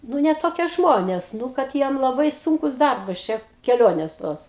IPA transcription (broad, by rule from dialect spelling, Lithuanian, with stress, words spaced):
ˈnʊ nʲɛ toːˈkʲiɛ ˈʒmoːnʲeːs ˈnʊ kɐt ˈjiɛm lˠɐˈbɐɪ ˈsʊŋkʊs ˈdɐrbɐs t͡ʃʲɛ kʲɛˈlʲoːnʲeːs ˈtoːs